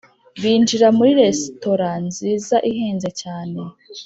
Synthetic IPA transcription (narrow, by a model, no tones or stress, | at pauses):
βiːnd͡ʒiɾamuɾiɾesto̞ɾanziːzaʔiɦeːnzecaːne̞